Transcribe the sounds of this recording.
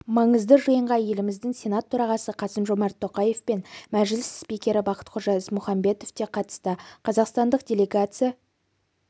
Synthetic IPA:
mɑɴəzd̪əʒəjəɴʁɑje̞lɪmɪzd̪ɪŋsʲe̞nat̪ʰːɵɾɑʁɑsəqʰɑsəmʒo̞mɑɾt̪ʰːo̞qɑje̞fpe̞nmæʒɪlɪsspikʲe̞ɾɪbɑqə̥t̪qʰʊɾʒɑɪzmʊχɑmbe̞t̪o̞ft̪e̞qʰɑt̪ə̥st̪əqʰɑzɑqst̪ɑnd̪əq̚d̪ʲe̞lʲe̞ɡat̪sɨja

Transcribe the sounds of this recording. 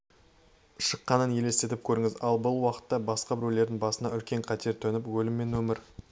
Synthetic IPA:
ʃəqːɑnənje̞le̞st̪e̞t̪ɪp̚kʲʰɵɾɪŋɪzɑlˠbʊlˠwɑqə̥t̪ːɑbɑsqɑbɪɾule̞ɾd̪ɪŋbɑsənɑʏlkʲe̞ɴqʰɑt̪ʰe̞ɾt̪ʰɵnɪpwɵlɪmːe̞nwɵmɪɾ

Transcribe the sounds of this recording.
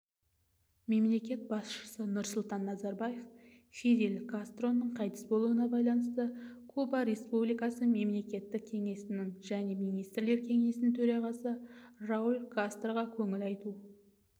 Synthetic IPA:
me̞mle̞kʲe̞t̪̚bɑsʃə̥sənʊɾsʊlˠt̪ɑnːɑzɑɾbɑje̞f | fid̪ʲelkʰast̪ro̞nːəɴqʰɑjt̪ə̥sbo̞lˠuənɑbɑjlˠɑnəst̪əkʰubɑɾe̞spublijkɑsəme̞mle̞kʲe̞t̪ːɪk̚ʲkʲʰe̞ŋe̞sɪnɪŋʒæne̞mijnijst̪rle̞ɾkʲʰe̞ŋe̞sɪnɪŋt̪ʰɵɾɑʁɑsəraulʲkʰast̪rʁɑkʲʰɵŋɪlɑjt̪u

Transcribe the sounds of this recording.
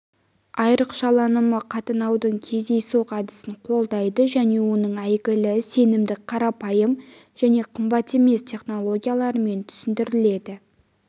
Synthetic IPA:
ɑjɾəqʃɑlˠɑnəməqʰɑt̪ənɑwd̪əɴkʲʰe̞zd̪e̞jsoqʰɑd̪ɪsɪɴqʰo̞lˠd̪ɑjd̪əʒæne̞wo̞nəɴæjɡʲɪlɪse̞nɪmd̪ɪqʰɑɾɑpɑjəm | ʒæne̞qʰəmbɑt̪e̞me̞st̪ʲʰe̞χno̞lˠo̞ɡʲijalˠɑɾəme̞nt̪ʰʏ̥sɪnd̪ɪɾɪle̞d̪ɪ

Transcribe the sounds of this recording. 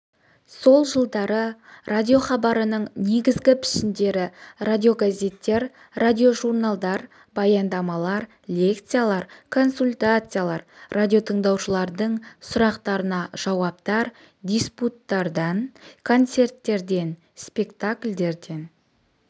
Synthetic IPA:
so̞lˠʒəlˠd̪ɑɾə | rʔadʲio̞χɑbɑɾənəɴne̞ɡʲɪzɡʲɪpʰɪ̥ʃɪnd̪e̞ɾɪradʲio̞ɡazʲe̞t̪ːe̞ɾ | radʲio̞ʒurnalˠd̪ɑɾ | bɑjɑnd̪ɑmɑlˠɑɾ | lʲe̞kt̪sɨjalˠɑɾkʰo̞nsulʲt̪at̪sɨjalˠɑɾrʔadʲijo̞t̪ʰəɴd̪ɑwʃəlˠɑɾd̪əɴsʊɾɑqt̪ɑɾənɑʒ̥ɑwɑp̚t̪ɑɾ | d̪ʲisput̪ːɑɾd̪ɑnkʰo̞nt̪se̞rt̪ːe̞ɾd̪e̞n | spʲe̞kt̪akʲlʲd̪e̞ɾd̪e̞n

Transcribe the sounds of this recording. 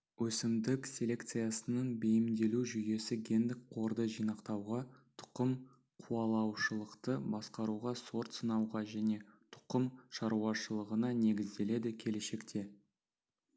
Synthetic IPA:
wɵsɪmd̪ɪksʲe̞lʲe̞kt̪sɨjasənəɴbejɪmd̪e̞luʒʏje̞sɪɡʲe̞nd̪ɪk̚qʰo̞ɾd̪əʒijnɑqt̪ɑwʁɑt̪ʰʊ̥qəm | qʰuɑlˠɑwʃəlˠəqt̪əbɑsqɑɾuʁɑso̞ɾt̪sənɑwʁɑʒæne̞t̪ʰʊ̥qəmʃɑɾuɑʃəlˠəʁənɑne̞ɡʲɪzd̪e̞le̞d̪ɪkʲʰe̞le̞ʃe̞kt̪ʰe̞

